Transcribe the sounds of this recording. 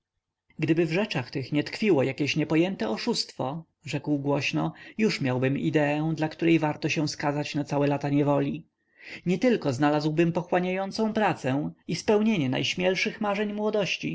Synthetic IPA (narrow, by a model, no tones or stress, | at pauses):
ɡd̪ɘbɘvʐɛt͡ʂaxt̪ɘxɲɛt̪kfʲiwɔjakʲeɕɲɛpɔjɛnt̪ɛɔʂust̪fɔ | ʐɛkwɡwɔɕnɔjuʂmʲjawbɘmḭd̪ɛɛ̃d̪lakt̪uɾɛjvaɾt̪ɔɕɛ̃w̃skazat͡ɕnat̪sawɛlat̪aɲɛvɔlʲi | ɲɛt̪ɘlkɔznalazwbɘmpɔxwaɲajɔnt̪sɔ̃w̃pɾat̪sɛispɛwɲeɲɛna̰jɕmʲjɛlʂɘxmaʐɛɲmwɔd̪ɔɕt͡ɕi